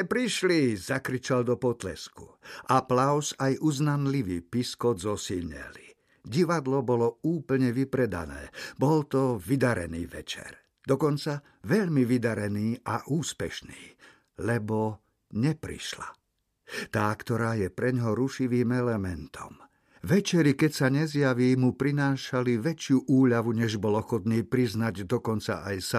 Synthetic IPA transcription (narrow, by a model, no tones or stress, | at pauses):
ɛpɾiʃlizakɾit͡ʃald̪ɔpɔt̪lɛ̰skuʔaplaʊsajuznanliʋiːpiskɔd̪zɔsilɲɛ̰li | ɟiʋad̪lɔbɔlɔuːpl̩ɲɛʋipɾɛd̪a̰nɛ̰ːbɔlt̪ɔʋid̪aɾɛ̰nḭːʋɛ̰t͡ʃɛ̰ɾ | d̪̥ɔkɔnt͡sa | ʋɛʎmiʋid̪aɾɛniːʔaʔuːspɛ̰ʃniː | lɛbɔ | ɲɛpɾḭʃla | t̪aːkt̪ɔɾaːjɛpɾɛɲɦɔɾuʃiʋiːmɛlɛmɛnt̪ʰɔ̰m | ʋɛt͡ʃɛɾikɛcsaɲɛzjaʋiːmupɾinaːʃaliʋɛt͡ʃɪuʔuːʎaʋuɲɛʒbɔlɔxɔt̪niːpɾiznaɟd̪ɔkɔnt͡sa̰ʔajsa